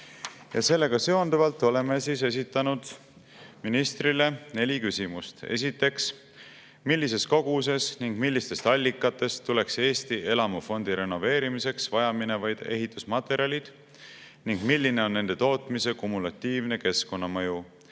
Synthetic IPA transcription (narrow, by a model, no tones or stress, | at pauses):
jɑse̞lːe̞ɡ̥ɑse̞o̞nd̪uvɑlt̪ːˑo̞le̞me̞siːse̞s̬it̪ˑːɑnud̪̥ | minist̪rile̞ne̞lʲikysimust̪e̞̰s̬ʲit̪ːˑe̞ks | milʲːise̞sko̞ɡ̥us̬e̞sniŋɡ̥milʲːist̪e̞st̪ɑlʲːikːˑɑt̪ːe̞st̪ːule̞kse̞ːst̪ie̞lɑmufo̞nd̪̥iɾe̞no̞ve̞ːɾimise̞ksvɑjɑmine̞vɑjd̪̥e̞̰ɦit̪ːˑusmɑt̪ːˑe̞ɾiɑlʲid̪̥ | niŋɡ̥milʲːine̞o̞nːe̞nd̪̥e̞t̪o̞ːt̪ˑmise̞kumulɑt̪ːiːvne̞ke̞sko̞nːɑmɤ̞ju